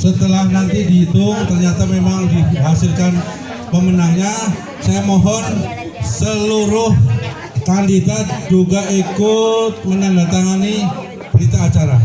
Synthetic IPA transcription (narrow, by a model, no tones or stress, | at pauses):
sət̪əlahnant̪idit̪uŋt̪ərɲat̪amemaŋdiɦasɪlkan | pəmənahɲa | sajamɔɦɔn | səluɾʊh | kandidat̪̚d͡ʒuɡaʔikʊt̪̚mənandat̪aŋani | b̥əɾit̪aːt͡ʃaɾa